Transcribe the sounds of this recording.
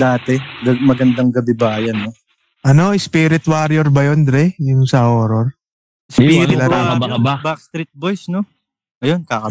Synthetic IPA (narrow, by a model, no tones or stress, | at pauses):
d̪aːt̪ɛɡɐmɐɡɐnd̪ɐŋɡɐbɪbaːjɐnːo | ʔɐno̞ʔɪspiːɾɪt̪waɾjoɾbɐjond̪ɾɛjʊŋsɐhoːɾoɾ | siːɪɐɐɐbabak̚st̪ɾit̪̚bojsno | ʔɐjonkakɐ